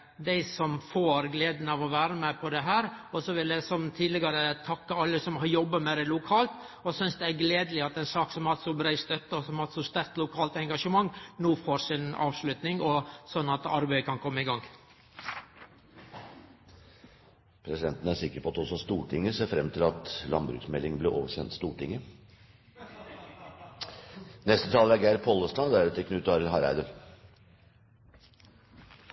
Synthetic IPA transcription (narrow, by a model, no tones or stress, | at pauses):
d̪æɪsɔmfoːɾɡleːd̪n̩ɑʋɔʋæːɾəmæpʰɔd̪ɛɦæːɾɔsɔʋɪld̪ɛsɔmt̪ʰiːd̪lɪɡɑɾət̪ʰɑkːəɑlːəsɔmhɑɾjɔbːəmɛd̪ɛlʊkʰɑːlt̪ | ɔsʏnsd̪ɛæɡleːd̪əlɪɑt̪ɛnsɑːksɔmɑlt̪sɔbɾæɪst̪œt̪ːəɔsɔmɑlt̪sɔst̪æɾk̚t̪lʊkʰɑːlt̪ɛŋɡɑʂəmɑŋːnoːfoːɾsɪnɑ̰ːʋʂlʉt̪nɪŋɔsɔnːɑt̪ɑ̰ɾbæɪəkʰɑnkʰɔmːəɪɡɑŋː | pʰɾɛsɪd̪ɛnt̪n̩əæʂsɪkːəɾpʰɔɑt̪ɔsɔst̪uːʈʰɪŋːəseːɾfɾɛmːt̪ʰɪlɑt̪lɑ̰nbɾʉ̰ːksmɛlːɪŋbleʔoːʋəɕçɛnt̪st̪uːʈʰɪŋːə | nɛst̪ət̪ʰɑːləɛɡæɪɾpʰɔlːəst̪ɑnd̪æɾɾɛt̪ʰːɛkʰnʉːt̪ɑɾəlɦɑɾæ̰ɪd̪ən